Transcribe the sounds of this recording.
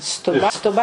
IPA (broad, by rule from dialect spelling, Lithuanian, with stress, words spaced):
stʊˈbɐ stʊˈbɐ